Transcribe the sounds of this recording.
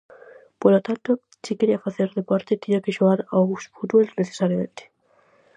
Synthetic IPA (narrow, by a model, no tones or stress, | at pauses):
poɾlot̪ant̪o | sikeɾiafaθeɾðepaɾt̪et̪eɲakeʃuɣaɾaɣusfut̪bolneθe̥saɾjamẽnt̪e̥